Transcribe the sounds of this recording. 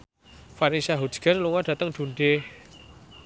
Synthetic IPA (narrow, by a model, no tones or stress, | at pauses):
faɾinsiaɦu̥d͡ʒ̥ɡ̥anluŋaɖ̥a̤t̪əŋd̪̥ṳnɖe